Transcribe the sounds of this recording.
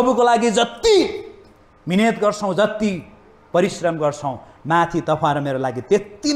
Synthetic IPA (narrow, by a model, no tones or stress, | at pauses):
ʌbukolaɡid͡zʌt̪ːi | minet̪ɡʌrt͡sʰʌ̃w̃d͡zʌt̪ːi | pʌɾisrʌmɡʌrt͡sʰʌw̃mat̪ʰit̪ʌpʰãɾomeɾolaɡit̪et̪ːi